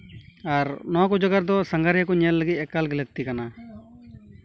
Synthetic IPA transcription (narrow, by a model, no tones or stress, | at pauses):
aɾnɔakud͡ʒɔɡaɾd̪ɔsəŋɡaɾjakɔɲɛlːəɡit̪̚ɛkalɡɛləɡ̚t̪ikana